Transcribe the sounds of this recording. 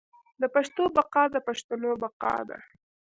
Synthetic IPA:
d̪əpaʃt̪obaqɑd̪əpaʃt̪onobaqɑ̰d̪a̰

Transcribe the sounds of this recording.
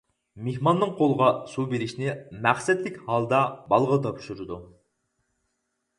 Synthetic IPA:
mehmɑnːɨŋqʰolˠəʁɑsubeɾɪʃnɪmæχsɛt̪lɪkʲhɑlˠd̪ɑbɑlˠʁət̪ʰɑpʃuɾɨd̪u

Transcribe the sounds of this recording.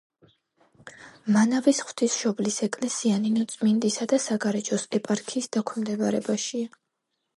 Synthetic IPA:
manavisχw̥t̪ʰisʃɔblisɛkʼlɛsianinɔt̪sʼmind̪isad̪asaɡaɾɛt͡ʃʼɔsɛpʼaɾkʰiːsd̪akʷʰmd̪ɛbaɾɛbaʃia

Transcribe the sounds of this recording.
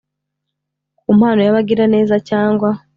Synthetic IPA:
kumhaːno̞jaβaɡiɾane̞ːzacaːŋɡwa

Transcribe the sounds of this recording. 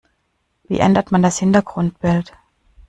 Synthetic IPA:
v̥ḭːʔɛ̰ndɐtmandashɪntɐɡʁʊnt̚b̥ɪlt

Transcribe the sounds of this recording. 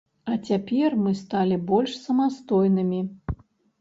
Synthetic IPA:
ɐt͡sʲapʲɛrmɨst̪alʲibɔlʲʂsɐmast̪ɔjnɨmʲi

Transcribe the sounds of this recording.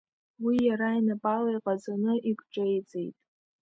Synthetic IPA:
wijaɾainapʼalajqʼazanɨʔikʷʼʈ͡ʂʼejt͡sʼe̞jtʼ

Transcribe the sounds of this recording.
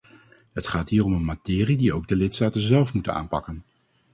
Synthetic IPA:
ɦətχaːtɦiːrɔmənmatɪːridiowɡ̚dəlɪtstaːtənzɛlˠfmutəna̰ːnpɑkən

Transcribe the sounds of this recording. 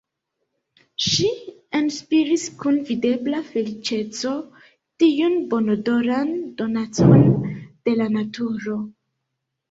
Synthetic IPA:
ʃienspiɾiskunvide̞blafe̞lit͡ʃe̞t͡so̞ | tiunbo̞nodo̞ɾando̞nat͡so̞nd̥e̞lanatuɾo̞

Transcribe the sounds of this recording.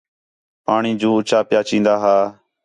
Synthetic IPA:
paːɳiːd͡ʒoːʊt͡ʃaːpɪjaːt͡ʃĩːnd̪aːɦaː

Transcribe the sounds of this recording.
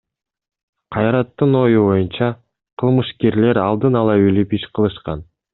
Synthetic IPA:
qʰɑjɾɑt̪ːɯno̞juβo̞junt͡ʃɑ | qʰɯlˠmɯʃkeɾle̞ɾɑlˠd̪ɯnɑlˠɑylypiʃqʰɯlˠɯʃqɑn

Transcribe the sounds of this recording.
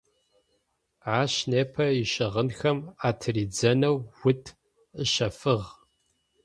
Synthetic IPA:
aːɕneːpʰɐiʃɨʁənxɐmaːtʰɨriːd͡zɐnɐwwʊtʰ | əʃɐfɨʁ

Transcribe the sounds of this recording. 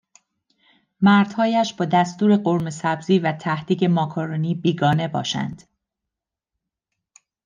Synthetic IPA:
mæɾd̪̥hɒːjæʃb̥ɒːd̪æst̪uːɾe̞ɢoɾmesæbziːvæt̪ʰæhd̪iːɟe̞mɒːkʰoɾoniːbiːɡɒːne̞bɒ̰ːʃæ̰nd̪̥

